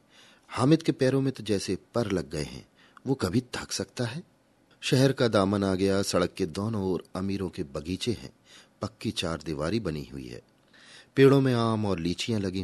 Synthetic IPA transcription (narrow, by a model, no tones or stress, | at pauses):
haːmɪt̪kepɛːɾõmɪ̃t̪d͡ʒɛːsepɐɾlɐɡːɐḛɦɛ̰̃ː | ʋokɐbʱid̪ʱɐksɐkt̪aɦɛː | ʃɛɦɛɾkad̪aːmənaːɡɐjasɐɽəkːed̪ɔːnõɔːɾɐmiːɾõkebɐɡiːt͡ʃeɦɛ̰̃ | pɐkːit͡ʃaːɾd̪ɪʋaːɾibɐnḭɦʊ̰ḭɦɛ̰ː | peːɽõmẽaːmɔːɾliːt͡ʃijãlɐɡĩ